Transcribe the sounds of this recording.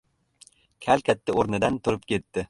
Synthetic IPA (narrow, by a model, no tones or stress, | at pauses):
kʲʰalkʲʰat̪ʰːɪoɾnɪd̪ant̪ʰʊɾɪp̚kʲʰe̞t̪ːɪ